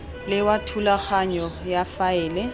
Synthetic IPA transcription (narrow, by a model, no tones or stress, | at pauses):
lɪwatʰulak͡xʰaɲɔjafaɛːlɛ